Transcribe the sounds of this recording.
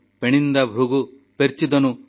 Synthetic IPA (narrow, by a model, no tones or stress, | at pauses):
peɽ̃ind̪abʱɾuɡu | peɾt͡ʃid̪ɔnu